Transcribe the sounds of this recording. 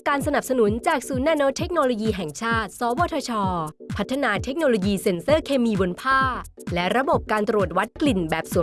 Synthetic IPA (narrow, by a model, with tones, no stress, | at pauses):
kaː˧nsa˧na˨˩p̚sa˧nu˩˦nt͡ɕaː˨˩k̚suː˩˦nːaː˧noː˦˥t̪ʰe˦˥k̚noː˧loː˧jiː˧ɦɛ˨˩ŋt͡ɕʰaː˥˩t̪̚sɔː˨˦wɔː˧t̪ʰaː˧t͡ɕʰɔː˧pʰa˦˥t̪ʰːa˧naː˧t̪ʰe˦˥k̚noː˧loː˧jiː˧se˧nsɤː˥˩kʰeː˧miː˧bo˧npʰaː˥˩lɛ˦˥ʔɾa˧bo˨˩p̚kaː˧nt̪ɾu˨˩ət̪̚wa˦˥t̪̚kli˨˩nbɛː˨˩p̚su˨˩˦